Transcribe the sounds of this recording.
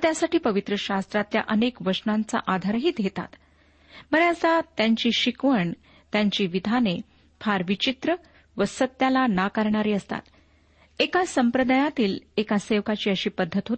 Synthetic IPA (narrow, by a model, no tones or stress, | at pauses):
t̪jasaʈiːpəʋit̪ɾəɕast̪ɾat̪lja̰ʔənekʋəɾsnãnt͡sa̰ʔad̪ʱaɾɦiːd̪ʱjet̪a̰t̪ | məɾeəsat̪jaɲt͡ɕiːɕikʋəɳ | t̪jaɲt͡ɕiːʋid̪ʱane | fʰaɾʋit͡ɕit̪ɾə | ʋəsət̪ːjalanakəɾɳaɾiːəst̪a̰t̪ | ekasəmpɾəd̪ajat̪iːlekaseʋkat͡ɕiːəɕiːpəd̪ʱːət̪ɦot̪